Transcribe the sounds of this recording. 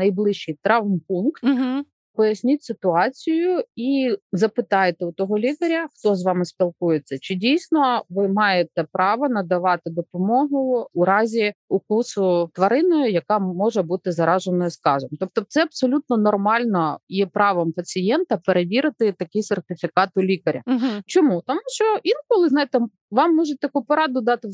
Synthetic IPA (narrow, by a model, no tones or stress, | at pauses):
nɐjblˠɪʃt͡ʃɪjt̪ɾɑwmpunkt̪ | pɔjɐsʲnʲitʲsɪt̪ʊɑt͡sʲijʊizɐpɪt̪ɑjet̪ɛʊt̪ɔɦɔlʲikɐɾʲɐxt̪ɔzʋɑmɪspʲilˠkujet͡sʲːɐt͡ʃɪdʲijsʲnɔʋɪmɑjet̪ɛpɾɑʋɐnɐd̪ɐʋɑt̪ɪd̪ɔpɔmɔɦʊːɾɑzʲiʊkusʊt̪ʋɐɾɪnɔjʊjɐkɑmɔʒɛbut̪ɪzɐɾɑʒenɔjʊskɑʒɛmt̪ɔp̚t̪ɔt̪sɛɐbsɔlʲut̪nɔnɔrmɑlʲnɔjɛpɾɑʋɔmpɐt͡sʲiɪjɛnt̪ɐpeɾeʋʲiɾɪt̪ɪt̪ɐkʲɪsʲert̪ɪfʲikɑt̪ʊlʲikɐɾʲɐ̰t͡ʃɔmut̪ɔmuʃt͡ʃɔʔinkɔlˠɪznɑjɪt̪ɛ | ʋɑmːɔʒet̚ʲt̪ɐkupɔɾɑd̪ʊd̪ɑt̪ɪ